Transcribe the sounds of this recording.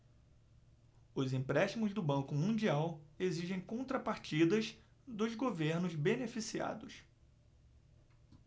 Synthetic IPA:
ʊzĩpɾɛʃt͡ʃimʊzd̪ʊbɐ̃ŋkʊmũd͡ʒiaweziʒẽj̃kõnt̪ɾɐpaɾt͡ʃid̪ɐz | d̪ʊzɡoveɾnʊzbenefisia̰d̪ʊs

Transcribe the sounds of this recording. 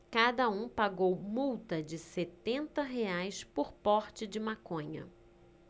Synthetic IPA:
kad̪ɐũpaɡowmuwt̪ɐd͡ʒɪset̪ẽnt̪ɐɦeajspoɾpɔɾt͡ʃɪd͡ʒɪmakõɲɐ̰

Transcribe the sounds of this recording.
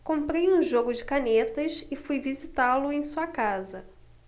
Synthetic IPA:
kõmpɾejũʒoɡʊd͡ʒɪkanet̪ɐʃɪfujvizit̪alʊẽj̃suɐkazɐ

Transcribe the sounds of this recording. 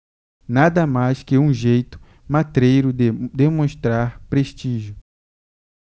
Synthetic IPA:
nad̪ɐmajskɪũʒejt̪ʊ̥ | mat̪ɾejɾʊd̪emõʃt̪ɾaɾpɾeʃt͡ʃiʒʊ

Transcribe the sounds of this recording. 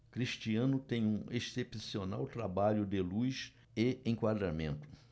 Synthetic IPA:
kɾiʃt͡ʃiɐ̃nʊt̪ẽj̃ũesepsiona̰wt̪ɾabaʎʊd̪ɪlujs | eẽkwad̪ɾamẽnt̪ʊ̥

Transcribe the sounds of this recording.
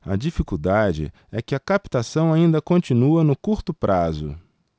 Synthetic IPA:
ɐ̰d͡ʒifikud̪ad͡ʒɪ̰ | ɛkɪɐkapi̥t̪asɐ̃w̃aĩnd̪ɐkõt͡ʃĩnuɐnʊkuɾt̪ʊpɾʔazʊ̰

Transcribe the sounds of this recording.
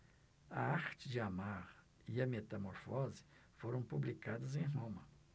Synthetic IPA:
ɐ̰aɾt͡ʃɪd͡ʒɪamaɾ | iɐmet̪ɐmoɾfɔzɪ̥ | foɾɐ̃w̃publikad̪ɐzẽj̃ɦõmɐ

